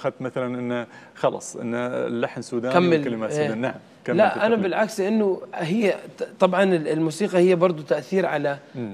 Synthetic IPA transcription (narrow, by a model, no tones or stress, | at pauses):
xad̪̚t̪maθalanʔɪnːaxɑlɑ̰sˤʔɪ̰nːalːaħnsuːd̪aːkamːɪlkalɪmaːd̪aːnːaʕam | kalaʔʔanabɪlʕakslɪʔɪnːʊɦɪjːat̪ˤɑbʕɑnɪɪlmuːsiːqɑhɪjːabɑɾˤd̪ˤut̪aʔθiːɾʕala